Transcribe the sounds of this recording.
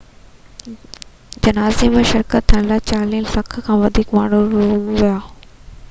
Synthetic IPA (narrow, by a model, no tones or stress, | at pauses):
d͡ʑɐnaːzemẽʃɪɾkət̪ʰːə̃laːt͡ɕaːlĩːlfɐkʰkʰãːʋɐd̪ʱiːkmaːɳ̤uɾuuʋijaː